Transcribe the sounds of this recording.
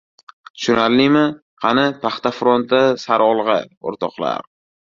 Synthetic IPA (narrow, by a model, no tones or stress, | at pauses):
ʃʊnaɾlɪmɪ | qʰɑnɪpʰaχt̪afɾont̪asaɾɒlˠʁɑ̰o̰ɾt̪ʰɒqlˠa̰ɾ